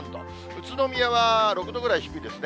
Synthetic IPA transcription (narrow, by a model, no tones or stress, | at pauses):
nt̪o̰ | ɯ̟t͡sɨno̞mʲiaβaɾo̞kɯ̟d̪o̞ɡɯ̟ɾaiçi̥kːɯ̟id̪esɨne